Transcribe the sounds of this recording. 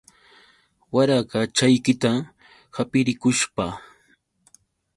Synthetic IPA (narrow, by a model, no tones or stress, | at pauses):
waɾaɢɑt͡ʃajkɪt̪a | hapɪɾɪkʊʃpa